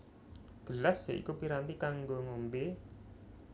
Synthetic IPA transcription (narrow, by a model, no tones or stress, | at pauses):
ɡ̥əlasːeʔḭkupiɾant̪ikaŋɡoŋombe